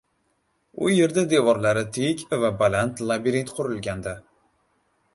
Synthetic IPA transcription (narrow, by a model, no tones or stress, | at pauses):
ʊje̞ɾd̪ad̪e̞vɒɾlaɾɪt̪ʰekʲvabalant̪lˠabiɾit̪qʰʊɾɪlɡʲand̪a